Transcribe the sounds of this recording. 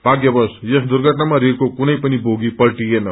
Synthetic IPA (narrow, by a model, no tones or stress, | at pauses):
b̥ʱaɡjʌbʌsjʌsd̪uɾɡʱʌʈnamaɾiɾkokunʌjpʌnibʱoɡipʌlʈienʌ